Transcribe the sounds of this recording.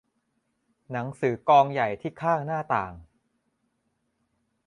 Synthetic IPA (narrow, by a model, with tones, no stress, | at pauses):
na˩˦ŋsɯː˩˦kɔː˧ŋja˨˩jt̪ʰiː˥˩kʰaː˥˩ŋnaː˥˩t̪aː˨˩ŋ